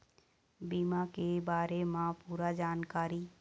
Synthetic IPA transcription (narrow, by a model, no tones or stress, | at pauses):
biːmakebaːɾemãpuːɾad͡ʒaːnkaːɾi